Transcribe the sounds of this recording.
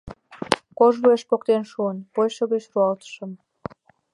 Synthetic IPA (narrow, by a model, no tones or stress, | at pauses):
koʒβueʃpokt̪enʃuənpojʃə̆ɣeɕruɑlt̪ə̥ʃə̆m